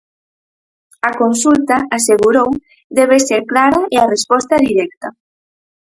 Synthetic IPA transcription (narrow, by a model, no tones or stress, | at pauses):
akonsult̪aaseɣuɾow | d̪ɛβ̞eseɾklaɾaearespɔst̪ɐðiɾɛk̚t̪a